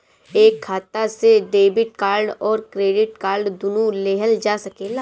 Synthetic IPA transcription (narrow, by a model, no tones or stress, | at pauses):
eːkʰːaːt̪aseɖeːbɪʈ̚kaːɾɖɔːɾkɾeːɖɪʈ̚kaːɾɖd̪ʊnuleːɦəld͡ʒaːsɐkeːla